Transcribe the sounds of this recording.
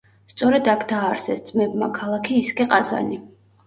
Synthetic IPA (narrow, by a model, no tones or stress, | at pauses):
st̪sʼɔɾɛd̪akʰd̪aːɾsɛst̪sʼmɛbmakʰalˠakʰiːskʼɛqʼaza̰ni